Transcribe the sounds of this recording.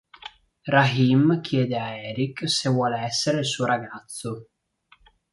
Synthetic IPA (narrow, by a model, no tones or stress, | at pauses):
raɦimkʰjɛːd̪eaɛːɾiksevwɔːleɛsːeɾeilsuːoɾaɡat̪sːo